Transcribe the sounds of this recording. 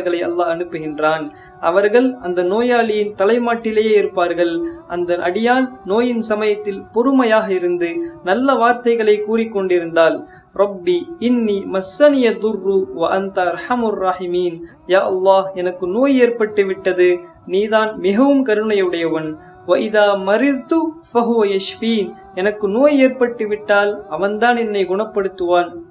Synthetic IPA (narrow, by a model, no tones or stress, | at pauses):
ɣɐɭɐɪɐ̰lːaːɐnɯpːɯɣɪndraːn | ʔɐ̰ʋɐɾɣɐɭɐnd̪ɐnoːjaːɭɪjɪnt̪ɐlɐɪmaːʈːɪleːɪɾɯpːaːɾɣɐɭʔɐnd̪ɐʔɐɽɪjaːnnoːjɪnsɐmɐjɐt̪ːɪlpɔɾɯmɐjaːɣɐɪɾɯnd̪ɯnɐlːɐʋaːɾt̪ɐɪɣɐɭɐɪkːuːrɪkːɔɳɖɪɾɯnd̪aːl | ɾɐbːiɪnːiːmɐsːɐnɪjɐðʊrːuʋɐʔɐnt̪ɐɐɾħɐmʊrːɑħɪmiːn | jaːʔɐlːɑːhɛnɐkːɯnoːjeːɾpɐʈːɯʋɪʈːɐðɯ | niːðaːnmɪɣɐʋɯmkɐɾɯɳɐjɐɯɽɐjɐʋɐn | ʋɐʔɪðaːmɐɾɪɾt̪ʊfɐɦʊʋɐjɐʃfiːn | ɛnɐkːɯnoːjeːɾpɐʈːɯʋɪʈːaːlɐʋɐnd̪aːnɛnːɐɪɡʊɳɐpːɐɽɯt̪ːɯʋaːn